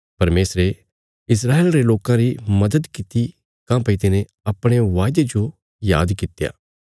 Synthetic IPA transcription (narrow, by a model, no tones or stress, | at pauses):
pɐɾmeːsɾe | ɪs̬ɾaːeːlɾeloːkãɾimɐd̪əd̪kɪt̪i | kãpɐit̪ɪnẽ | ɐpɽ̃eʋaːɪd̪ed͡ʒo | ja̰ːd̪kɪt̪ja̰ː